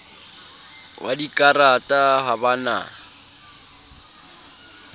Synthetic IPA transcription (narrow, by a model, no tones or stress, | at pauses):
wʔadikʼaɾatʼaɦabana̰ː